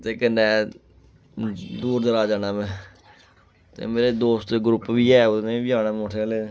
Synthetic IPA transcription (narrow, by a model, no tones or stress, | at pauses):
t̪eːkənɖɛː | d̪uːɾd̪əɾaːd͡ʒaːnaːmɛ̃ː | t̪ḛːmeːɾeːd̪oːst̪eɡɾʊpːʋiːɛːʊnẽːbɪjaːnaːmõːʈʰeːleː